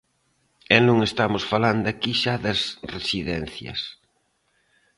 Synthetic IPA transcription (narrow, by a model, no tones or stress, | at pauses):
ɛnũŋest̪amʊsfaland̪ʊakiʃaðɐsresiðɛn̟θjɐ̰s